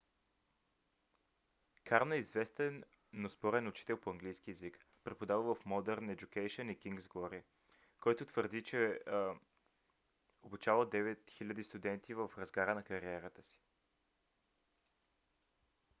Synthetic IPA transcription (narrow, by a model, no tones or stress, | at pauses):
kaɾnoɛizvɛst̪ɛnː | ospɔɾɛnʊt͡ʃi̥t̪ɛlˠpoɐŋɡlijsk̟ʲiɛzikpɾɛpod̪avəvəfmɔd̪ɛɾnɛd͡ʒukɛjʃonikiŋɡzɡɔɾi | kɔjt̪ʊt̪vəɾd̪it͡ʃɛ | obit͡ʃavəd̪ɛvɛt̪xilʲəd̪ist̪ʊd̪ɛnt̪ivəfɾɐzɡaɾənɐkɐɾiɛɾət̪əsi̥